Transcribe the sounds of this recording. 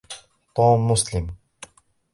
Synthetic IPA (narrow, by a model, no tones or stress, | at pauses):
t̪ɔːmːʊslɪm